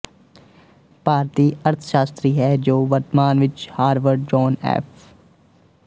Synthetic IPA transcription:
paːɾt̪iːəɾt̪ʰʃaːst̪ɾiɦɛːd͡ʒoːʋəɾt̪maːnʋɪt͡ʃhaːɾʋəɾɖd͡ʒɔːnɛ̰ːpʰ

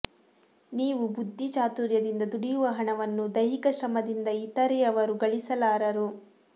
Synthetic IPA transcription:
niːʋubud̪ʱːit͡ʃaːt̪uːɾjɐd̪ind̪ɐd̪uɽijuʋɐɦɐɳɐʋɐnːud̪ɐjɦikɐʃɾɐmɐd̪ind̪ɐit̪ɐɾɛɐʋɐɾuɡɐɭisɐlaːɾɐɾu

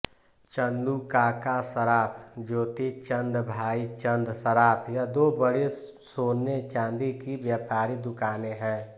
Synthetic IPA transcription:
t͡ʃənd̪ukakasəɾaːpd͡ʒoːt̪it͡ʃə̃nd̪bʱaːit͡ʃə̃nd̪səɾaːpʰjad̪oːbəɽe | soːnet͡ʃãːnd̪ikiʋjaːpaːɾid̪ʊkaːneɦɛ̃ː

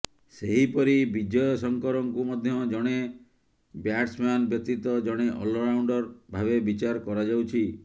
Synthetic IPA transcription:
seɦipɔɾibid͡ʒɔjɔsɔŋkɔɾɔŋkumɔd̪ʱjɔd͡ʒɔɽ̃e | bjaʈsmanbjɔk̚t̪it̪ɔd͡ʒɔɽ̃eʔɔlɔɾawɳɖɔɾbʱabebit͡ʃaɾɔkɔɾad͡ʒawt͡ʃʰi

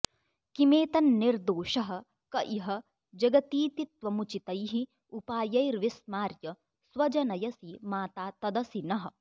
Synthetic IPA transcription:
kimeːt̪ɐnːiɾd̪oːʃɐɦɐ̆ | kɐʔiɦɐ̆ | d͡ʒɐɡɐt̪iːt̪it̪ʋɐmut͡ʃit̪ɐjɦi | upaːjɐjɾʋismaːɾjɐ | sʋɐd͡ʒɐnɐjɐsimaːt̪aːt̪ɐd̪ɐsinɐɦɐ̆

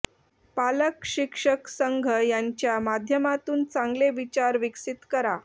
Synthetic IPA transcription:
paləkɕikʂəksəŋɡʱəjaɲt͡ɕjamad̪ʱjəmat̪uːnt͡sãŋɡleʋit͡ɕaɾʋiksit̪kəɾa

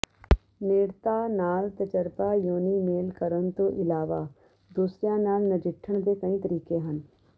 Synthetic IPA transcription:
neːɽt̪aːnaːlt̪ət͡ʃəɾpajoːnimeːlkəɾənt̪õʔɪlaːʋaː | d̪uːsɾijãnaːlnəd͡ʒɪʈʰːəɳ̃d̪ekɐĩt̪əɾiːkeɦən

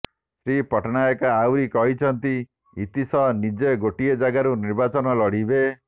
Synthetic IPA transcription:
sɾipɔʈnajɔkaːwɾikɔɦit͡ʃʰɔnt̪i | it̪isɔnid͡ʒeɡoʈied͡ʒaɡaɾuniɾbat͡ʃɔnɔlɔɽ̤ibe

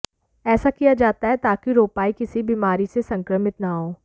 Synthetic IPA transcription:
ɛːsakijad͡ʒaːt̪aɦɛt̪aːkiɾoːpaːikɪsibiːmaːɾisesɐ̃ŋkɾəmɪt̪naɦoː

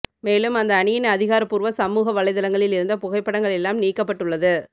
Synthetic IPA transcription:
meːlɯmɐnd̪ɐːɳɪjɪnɐðɪɣaːɾɐpːuːɾʋɐsɐmuːɣɐʋɐɭɐɪðɐlɐŋɡɐɭɪlɪɾɯnd̪ɐpʊɣɐɪpːɐɽɐŋɡɐɭɛlːaːmniːkːɐpːɐʈːɯɭːɐðɯ

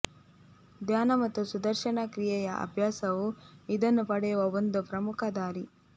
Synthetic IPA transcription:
d̪ʱjaːnɐmɐt̪ːusud̪ɐɾʃɐɳɐkɾijɛjɐʔɐ̰bʱjaːsɐʋuid̪ɐnːupɐɽɛjuʋɐond̪upɾɐmukʰɐd̪aːɾi

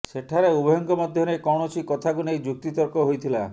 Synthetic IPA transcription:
seʈʰaɾeubɔjɔŋkɔmɔd̪ʱjɔnekɔwɳ̃ɔt͡ʃʰikɔt̪ʰakunejd͡ʒuk̚t̪it̪ɔɾkɔɦojt̪ʰila̰

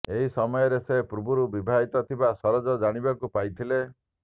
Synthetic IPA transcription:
eɦisɔmɔjɔɾesepɾubʱuɾubibʱaɦit̪ɔt̪ʰibasɔɾɔd͡ʒɔd͡ʒaɽ̃ibakupajt̪ʰile

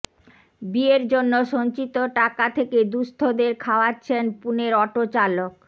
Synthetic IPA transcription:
bieɾd͡ʑonːoʃoɲt͡ɕit̪oʈakat̪ʰeked̪ust̪ʰod̪eɾkʰaoatːɕʰenpuneɾɔʈot͡ɕalok

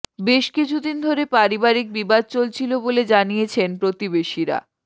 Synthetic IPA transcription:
beʃkit͡ɕʰud̪ind̪ʱoɾepaɾibaɾik̚bibad̪̚t͡ɕolt͡ɕʰiloboled͡ʑanijet͡ɕʰenpɾot̪ibeʃiɾa̰

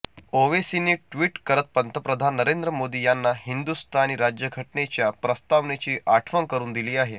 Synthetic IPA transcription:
oʋesiniːʈʋiːʈkəɾət̪̚pənt̪ʰəpɾəd̪ʱanːəɾend̪ɾəmod̪iːjanːaɦind̪ust̪ʰañiːɾad͡ʑjəɡʱəʈnet͡ɕjapɾəst̪aʋnet͡ɕiːʔaʈʰʋəŋkəɾuːnd̪iliːaɦe

